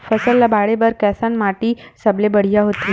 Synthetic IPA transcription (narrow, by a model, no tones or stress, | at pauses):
fəsəlːabaɭebəɾkɛsanmaʈisəblebəɽ̤ijaɦot̪i